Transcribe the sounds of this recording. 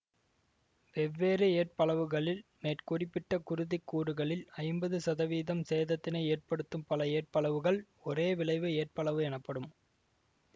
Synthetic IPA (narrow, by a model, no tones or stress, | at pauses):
ʋɛʋːeːɾɯeːr̚pɐɭɐʋɯɣɐɭɪlmeːrkʊrɪpːɪʈːɐkʊɾʊðɪkːuːɽɯɣɐɭɪlɐɪmbɐðɯsɐðɐʋiːðɐmseːðɐt̪ːɪnɐɪeːrpɐɽɯt̪ːɯmpɐlɐeːr̚pɐɭɐʋɯɣɐɭ | ɔreːʋɪɭɐɪʋɯeːr̚pɐɭɐʋɯɛnɐpːɐɽɯm